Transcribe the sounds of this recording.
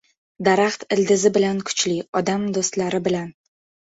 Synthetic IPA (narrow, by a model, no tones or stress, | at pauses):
d̪aɾaχt̪ɪld̪ɪzɪbɪlankʰʊ̥t͡ʃlɪɒd̪amd̪ost̪laɾɪbɪlan